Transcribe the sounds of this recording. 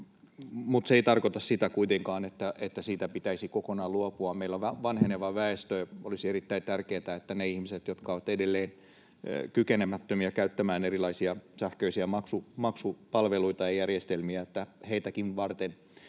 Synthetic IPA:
mut̪seeit̪ɑrkot̪ɑssit̪ækuit̪eŋkɑːnet̪ːæʔet̪ːæsiːt̪æpit̪æisikokonɑːluopuɑmeilːoʋæʋɑnheneʋɑʋæest̪øolisierit̪ːæint̪ærkeːt̪æet̪ːæneihmiset̪jot̪kɑoʋɑt̪edelːeːn | kykenemæt̪ːømiækæyt̪ːæmæːnerilɑisiɑsæhkøisiæmɑksumɑksupɑlʋeluit̪ɑjɑjærjest̪elmiæet̪ːæheit̪ækinʋɑrt̪en

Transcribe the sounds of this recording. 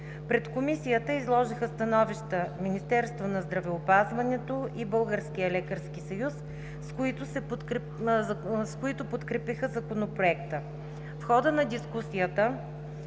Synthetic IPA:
pɾɛt̪komisijət̪əizlˠɔʒixəst̪ɐnɔviʃt̪əminist̪ɛɾst̪vonɐzd̪ɾɐvɛopazvɐnɛt̪oʔibɤlˠɡəɾskijəlɛkəɾsk̟isɐjus | skoit̪ʊsɛ | skoit̪opot̪kɾɛpixəzɐkonopɾoɛkt̪ə | fxɔd̪ənɐd̪ʲiskusiət̪ə

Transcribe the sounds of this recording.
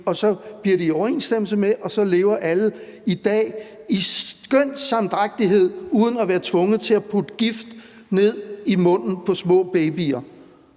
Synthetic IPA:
ɒ̽sɒ̽b̥liɐ̰ɾiɒʊɐe̝̰ːnsd̥em̰l̩səmeʔɒ̽sɒ̽le̝ːʊɐʔæləid̥ɛ̰ːiɡ̥øn̰sɑ̈md̥ʁaɡ̥̚d̥iɦe̝ð̞̰ˠuːð̞ˠn̩æʋæːɐt͡sʰʋɔ̽ŋð̩ˠt͡sʰe̝æpʰud̥əɡ̥ifd̥ | ne̝ð̞̰ˠimɔ̽n̰n̩pʰɒ̽smɔ̰̽ːb̥eɪbiɐ

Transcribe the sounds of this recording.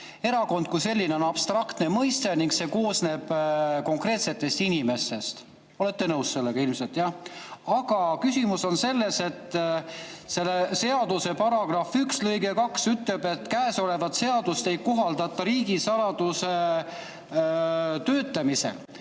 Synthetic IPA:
e̞ɾɑko̞nd̪̥̚kujse̞lːineo̞nɑb̥st̪rɑkt̪ne̞mɤjst̪e̞niŋɡse̞ko̞ːsne̞ːb̥ko̞ŋkre̞ːt̪se̞t̪ːˑe̞st̪inime̞st̪e̞st̪ | o̞le̞t̪ːe̞nɤwsse̞lːe̞ɡ̥ɑilmselt̪jɑɑɡ̥ɑkysimuso̞nse̞lːe̞se̞t̪ː | se̞lːese̞ɑd̪̥use̞pɑɾɑɡ̥rɑfykslɤjɡe̞kɑksyt̪le̞be̞t̪ːkæːso̞le̞vɑt̪se̞ɑd̪̥ust̪e̞jkːoɦɑld̪̥ɑt̪ːˑɑɾiːɡisɑlɑd̪̥use̞ | t̪øːt̪ːˑɑmise̞̰l

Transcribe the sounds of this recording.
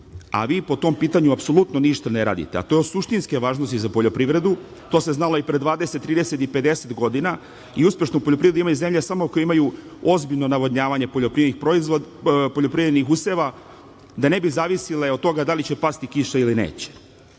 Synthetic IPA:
a̰ʋiːpo̞t̪o̞mpiːt̪aɲuapso̞lut̪noniʃt̪aneɾa̰ːd̪ḭt̪e̞a̰t̪o̞josuʃt̪inske̞ʋaːʒnost̪izapo̞ʎo̞pɾiʋɾe̞d̪u | t̪o̞ːse̞znaloipɾed̪ʋaːd̪e̞se̞t̪ːɾiːd̪ese̞t̪ipe̞d̪e̞se̞t̪ɡo̞d̪ina | iuspʲje̞ʃnoupoʎopɾivɾed̪uimajuze̞mʎesamokojeimaju | o̞zbiʎno̞naʋodɲaːʋaɲe̞poʎopɾiednixpɾoizopo̞ʎo̞pɾivɾed̪nixuse̞ʋa | d̪ane̞bizaːʋisileo̞t̪t̪ːo̞ɡad̪alit͡ɕe̞past̪ikiʃailinḛːt͡ɕe̥

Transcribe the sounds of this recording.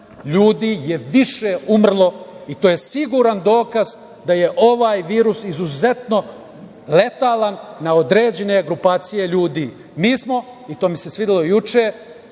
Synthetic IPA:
ʎuːd̪ijeʋiʃeumr̩lˠo̞it̪oːje̞siɡuɾand̪o̞ːkaz | d̪aje̞ʔoʋaːjʋiːɾusizuze̞t̪no̞ | le̞t̪alanːaod̪ɾeːd͡ʑene̞ɡɾupaːt̪sije̞ʎuːd̪iː | miːsmo̞ | it̪o̞ːmise̞sʋid̪ilo̞jut͡ʃeː

